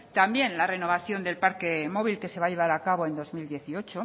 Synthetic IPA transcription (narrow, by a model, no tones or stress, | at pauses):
t̪ambje̞nlare̞no̞β̞aθjo̞nd̪e̞lpaɾke̞mo̞β̞ilke̞se̞βaʎe̞β̞aɾakaβo̞e̞nd̪o̞zmild̪je̞θio̞t͡ʃo